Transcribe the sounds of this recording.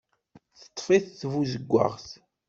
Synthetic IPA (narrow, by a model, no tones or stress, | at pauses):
θə̥t̪ˤːfiθθvuzəɡʷːa̰ʁθ